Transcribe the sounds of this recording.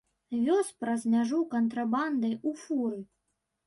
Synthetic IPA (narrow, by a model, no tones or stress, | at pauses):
vʲɔspɾɐzmʲaʐukɐnt̪ɾaband̪ɐjufuɾɨ